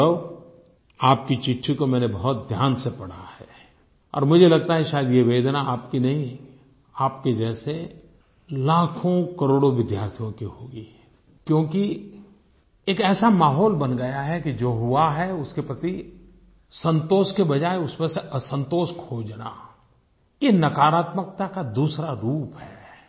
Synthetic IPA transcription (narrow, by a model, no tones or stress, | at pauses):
o | aːpkit͡ʃɪʈʰːikomɛ̃ːnebɐɦʊt̪̚d̪ʱjaːnsepɐɽ̤ahɛː | ɔ̰ːɾmʊd͡ʒʱelɐɡ̚t̪aɦɛʃaːjəd̪jeʋeːd̪naaːpkinɐɦĩ | aːpked͡ʒɛːse | laːkʰõkɐɾoːɽoʋɪd̪jaːɾt̪ʰijõkiɦoːɡi | kjõːki | eːkɛːsamaːɦɔːlbɐnɡɐjaɦɛkid͡ʒoːɦʊaɦɛʊskepɾɐt̪i | sə̃nt̪oːʃkebɐd͡ʒaːeʊsmẽseʔəsə̃nt̪oːʃkʰoːd͡ʒna̰ | jenɐkaːɾaːt̪mək̚t̪akad̪uːsɾaɾuːpɦɛː